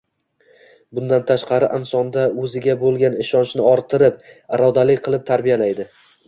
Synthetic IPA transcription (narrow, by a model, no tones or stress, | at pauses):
bʊnd̪ant̪ʰaʃqʰɑɾɪʔansɒnd̪aɵzɪɡʲabolˠɡʲanɪʃɒnt͡ʃnɪɒɾt̪ʰɪɾɪp̚aɾɒd̪alɪkʲqʰɨlˠɪp̚t̪ʰaɾbijalajd̪ɪ